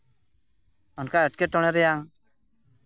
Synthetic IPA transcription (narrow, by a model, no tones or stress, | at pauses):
ɔnkaəʈ̚keʈɔɽ̃ɛɾɛjaŋ